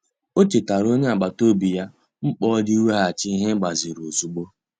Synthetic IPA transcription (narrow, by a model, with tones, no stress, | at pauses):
o˦t͡ʃe˨ta˨ɾo˦ɲe˦a˨ɡ͡ba˨to˦bi˨ja˦ | ŋ͡m̩˦k͡pɔ˦di˦we˦ɦa˨t͡ʃɪ˦ɦe˦ɡ͡ba˨zi˨ɾo˨zu˨ɡ͡bo˦